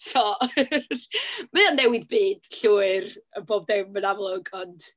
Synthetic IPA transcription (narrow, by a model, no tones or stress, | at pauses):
so | mɨanːɛwɪðbiːd̥ɬuːɨrəboːb̚demənavlˠoɡɔnt